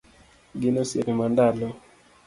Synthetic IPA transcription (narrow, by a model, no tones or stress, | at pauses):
ɡɪnosḛkimandalɔ